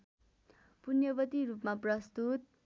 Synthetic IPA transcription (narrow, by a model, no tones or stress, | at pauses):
punjʌbʌt̪iɾupmaprʌst̪ut̪̚